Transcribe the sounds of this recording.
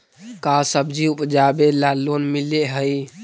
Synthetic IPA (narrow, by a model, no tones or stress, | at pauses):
kasəbd͡ʒiupd͡ʒabelalːonmileɦəj